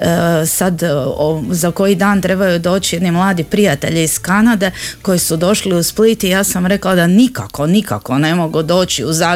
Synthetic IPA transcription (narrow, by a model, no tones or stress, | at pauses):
sad̪ozako̞jid̪aːnt̪ɾe̞bajud̪o̞ːt͡ʃije̞d̪nimlˠaːd̪ipɾijat̪e̞ʎiiskanad̪e̞ko̞jisud̪o̞ʃliusplit̪ijaːsamɾe̞klad̪anika̰ko̞nika̰ko̞ne̞mo̞ɡud̪o̞ːt͡ɕiuzaː